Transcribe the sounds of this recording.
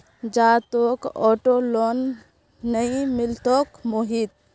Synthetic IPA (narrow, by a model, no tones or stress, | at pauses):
d͡ʒaːt̪oːkɔːʈolɔːnː | əĩmɪlt̪oːkmoɦiːt̪̚